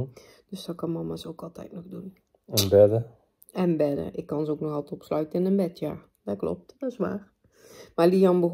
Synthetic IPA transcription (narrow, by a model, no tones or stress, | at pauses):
d̥øsd̥ɔkɑnmɑmasowkɑlˠtʰɛ̰jtnɔxdun | ɛnbɛdə | ɛnbɛdə̰ɪkːɑnzowknɔxalˠtɔpslœɥtənɪnənbɛtʰjaː | d̥ɔklɔ̰p̚td̥ɔsʋa̰ːr | maliɑnbəɣ